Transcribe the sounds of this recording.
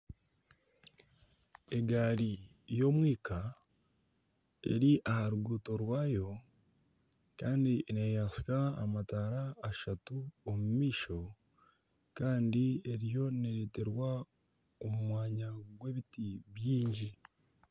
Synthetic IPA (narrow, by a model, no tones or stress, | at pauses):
e̞ɡaːɾi | jo̞mwiːkʰa | e̞̰ɾiʔahaɾuɡuːto̞ɾwaːjo̞ | kaːndinejaska̰ːmataːɾaːʃatuomumiːʃo̞ | kaːndie̞ɾijo̞neɾeːteɾwa | omumwaːɲaɡwe̞βitiβjiːɲɟi